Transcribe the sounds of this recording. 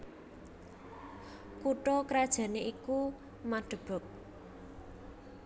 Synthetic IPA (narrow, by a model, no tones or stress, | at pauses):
kuʈɔkɾad̥ʒ̥ä̤neʔiku | maɖ̥ə̤b̥ɔ̤k̚